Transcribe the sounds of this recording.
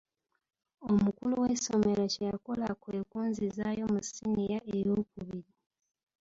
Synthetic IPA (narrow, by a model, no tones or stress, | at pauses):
o̞mukuluweso̞me̞ɾocejako̞lakwe̞ːkuːnzizaːjo̞musinijaʔejukuβiɾi